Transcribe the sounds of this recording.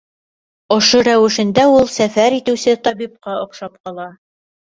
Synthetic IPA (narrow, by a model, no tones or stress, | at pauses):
ŏʃoɾæwɘ̆ʃɘ̆nd̪æulˠsæfæɾit̪ɘ̆wsɘt̪ɑbip̚qɑŏqʃɑp̚qɑlˠɑ